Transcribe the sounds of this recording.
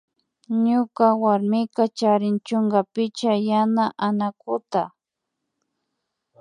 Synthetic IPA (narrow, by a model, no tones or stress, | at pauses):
ɲʊkawaɾmɪkat͡ʃaɾɪnt͡ʃʊŋɡapɪt͡ʃajanaʔanakʊt̪a